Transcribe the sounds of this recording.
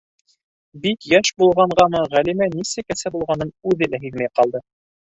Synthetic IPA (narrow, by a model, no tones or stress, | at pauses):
bikjæʃbulˠʁɑɴɢɑnɤʁælimænisɘkæsæbulˠʁɑnɤnʉðɘlæɦiðmæjqɑlˠd̪ɤ